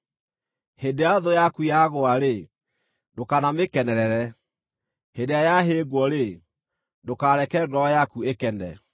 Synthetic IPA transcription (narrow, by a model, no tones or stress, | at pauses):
hendeaðojakujaɣoaɾe | dokanamekɛnɛɾɛɾɛ | hendejajaɦeːɣwɔɾe | dokaɾɛkɛɡɔɔjakuekɛnɛ̰